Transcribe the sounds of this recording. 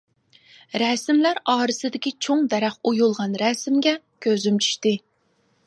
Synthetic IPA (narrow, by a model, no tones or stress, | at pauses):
ɾɛsɪmlæɾɑːɾɨsɨd̪ɪkʲit͡ʃʰoŋd̪ɛɾæχojulˠʁɑnɾɛsɪmɡʲɛ | kʲʰøzymt͡ʃʰy̥ʃt̪ɪ